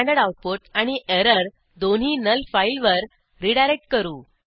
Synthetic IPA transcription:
ãɳɖəɽauʈ̚poʈaɽ̃iʔeɾəɾ | d̪onɦiːnəlfailʋəɾ | ɾiɽajɾek̚ʈ̚kəɾuː

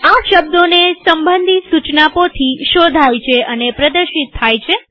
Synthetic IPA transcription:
aʃəb̚d̪onesəmbənd̪ʱit̪sut͡ʃnapot̪ʰiʃod̪ʱajt͡ʃʰeʔənepɾəd̪əɾʃit̪ʰːajt͡ʃʰe

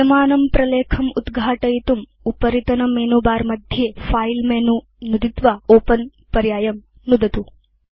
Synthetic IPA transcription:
ɐmaːnɐmpɾɐleːkʰɐmud̪ɡʱaːʈɐjit̪um | upɐɾit̪ɐnɐmeːnuːbaːɾmɐd̪ʱjeːpʰaːjlmeːnu | nud̪it̪ʋaːoːpɐn | pɐɾjaːjɐm | nud̪ɐt̪u

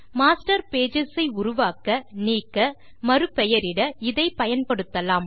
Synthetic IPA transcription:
maːsʈɐɾpeːd͡ʒɪsɐɪʊɾʊʋaːkɐniːkːɐ | mɐɾɯpɛjɐɾɪɽɐɪðɐɪpɐjɐnpɐɽɯt̪ːɐlaːm

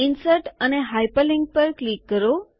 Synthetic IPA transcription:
insəɾʈəneɦajpəlĩŋɡ̚pəɾklikːəɾo

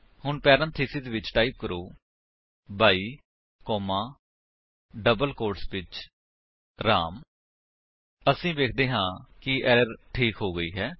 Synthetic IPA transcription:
hʊɳpɛːɾə̃nt̪ʰeːsɪzʋɪt͡ʃʈaːiːp̚kəɾoː | bʱaːiː | kɔːmãː | ɖəbəlkoːɾʈsʋɪt͡ʃ | ɾa̰ːm | əsĩːʋeːkʰd̪eːɦãːkɪʔɛːɾəɾʈʰiːkɦoːɡəiːɦɛː

